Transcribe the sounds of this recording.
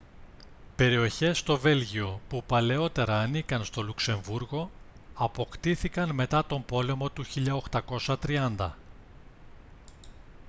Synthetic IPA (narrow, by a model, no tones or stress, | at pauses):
pe̞ɾio̞çe̞st̪o̞ve̞lʝio̞pupɐle̞o̞t̪e̞ɾɐːnikɐnst̪o̞lukse̞ɱvuɾɣo̞ | ɐpo̞kt̪iθikɐnme̞t̪ɐt̪o̞mbo̞le̞mo̞t̪uçiʎɐoxt̪ɐko̞sɐt̪ɾiɐnd̪ɐ̰